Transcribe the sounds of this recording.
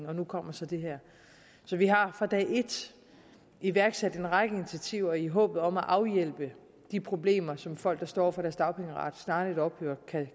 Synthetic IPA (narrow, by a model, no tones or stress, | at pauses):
ɒ̽nukʰɒ̽m̰ɐsɒ̽d̥e̝ɦæɐ̰ | sɒ̽ʋiɦɑ̈fɑ̈d̥ɛ̰ɪʔe̝d̥ | iʋæɐɡ̥sed̥e̝nʁɑ̈ɡ̥əinit͡sʰæt͡sʰiʊ̰ɐiɦɔ̰̽ːb̥ð̞̩ˠɒ̽mæʔɑ̈ʊjel̰b̥ə | d̥ipʰʁo̝b̥le̝̰ːmɐsɒ̽mfɒ̽l̰ɡ̥d̥ɑ̈sd̥ɒ̰ːɒ̰fɒɾ̥æɐsd̥ɑ̈ʊpʰeŋəʁɑ̰̈d̥snɑ̈ːe̝dɒ̽b̥høːɐ̰kʰæ